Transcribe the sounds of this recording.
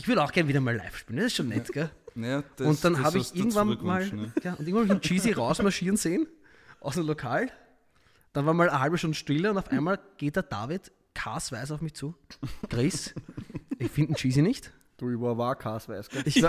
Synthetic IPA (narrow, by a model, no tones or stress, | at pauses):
ʔɪçv̥ʏɐɾəɑʊxɡ̥ɛɐnviːɾɐmaːɭlæ̰ɪfʃpiːlndɛsɪstʃoːnːɛtɡ̥ɛ̥ | ʊ̃ntd̥anhaːbɪçʔɪɐɡŋ̩tvanmaːlɡ̥aːʔʊntɪɐŋvanːaɪmnt͡ʃiːziʁaʊsmaɐʃiːɐnz̥eːn | ʔa̰ʊsemlokʰaːl | d̥anvaːɐmaːləhalbəʃtʊ̃ndəʃtɪləʊntɔʊfʔæ̰ɪnmaːlɡ̥eːt̚d̥eːɐd̥a̰ːvɪt | kʰa̰ːsvæɪsɑʊfmɪçt͡suːɡ̥ʁɪs | ɪçfɪndn̩t͡ʃiːzinɪçt | d̥uvvaːkʰaːsvæɪsɡ̥ɛɪç